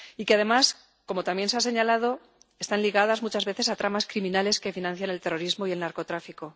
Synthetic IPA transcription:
ikeaðe̞mas | ko̞mo̞t̪amje̞nsease̞ɲalaðo̞ | e̞st̪anliɣ̞aðazmut͡ʃazβe̞θe̞sat̪ɾamaskɾimĩnale̞ske̞finãn̟θjane̞lt̪ero̞ɾizmo̞ie̞lnaɾko̞t̪ɾafiko̞

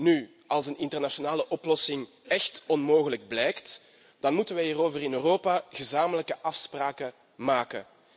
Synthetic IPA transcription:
ny | ɑlˠsənɪntərnaʃonaːləʔɔplɔsɪŋ | ɛxtɔnmoːɣələɡ̚blɛjkt | d̥ɑnmutənʋɛiːroːvərɪnøːroːpaɣəzaːmələkəʔɑfspraːkə | maːkə̰

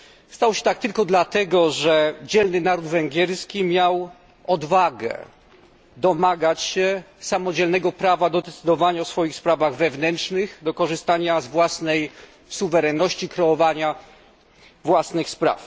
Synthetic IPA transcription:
st̪awɕɛ̥t̪ak̚t̪ɘlkɔd̪lat̪ɛɡɔʐɛd͡ʑɛlnɘnaɾud̪vɛŋɡʲjɛɾskʲimʲjaw | ɔd̪vaɡɛ̰ | d̪ɔmaɡat͡ɕɕɛ | samɔd͡ʑɛlnɛɡɔpɾavad̪ɔd̪ɛt̪sɘd̪ɔvaɲaɔsfɔjixspɾavaɣvɛvnɛntʂnɘɣd̪ɔkɔʐɘst̪aɲazvwasnɛj | suvɛɾɛnːɔɕt͡ɕikɾɛɔvaɲa | vwasnɘxspɾa̰f

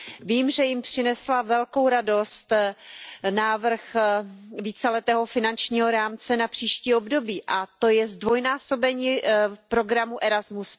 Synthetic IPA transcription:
viːmʒɛjɪmpr̝̥ɪnɛslavɛlko̞wɾado̞st̪ | naːvr̩x | viːt͡sɛlɛt̪ɛːɦo̞fɪnant͡ʃɲiːɦo̞ɾaːmt͡sɛnapr̝̥iːʃciːobdo̞biːʔat̪o̞jɛzdvo̞jnaːso̞bɛɲiːpɾo̞ɡɾamuʔɛɾazmus

